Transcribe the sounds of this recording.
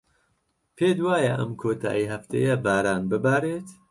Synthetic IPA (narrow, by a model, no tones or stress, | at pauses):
pʰeːd̪waːjɐʔɐ̰mkʰoːt̪ʰa̰ːjiɦɐft̪ʰḛjɐbaːɾaːnbɨbaːɾeːt̪